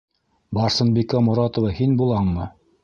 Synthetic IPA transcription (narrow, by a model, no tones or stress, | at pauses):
bɑɾsɤ̆nbikamʊɾɑt̪ŏvɑhinbulˠɴmɤ